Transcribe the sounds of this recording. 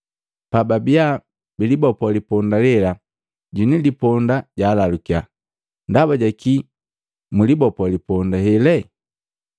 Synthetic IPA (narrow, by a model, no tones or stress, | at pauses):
pababia | bilibɔpɔlipɔndalɛla | ɟunilipɔndaɟaːlalukia | ndaβaɟaki | mulibɔpwlipɔndahɛlɛ